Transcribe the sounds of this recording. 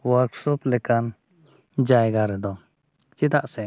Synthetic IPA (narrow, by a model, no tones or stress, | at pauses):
waɾksɔplɛkan | d͡ʒajɡaɾɛd̪ɔ | t͡ʃit̪aʔsɛ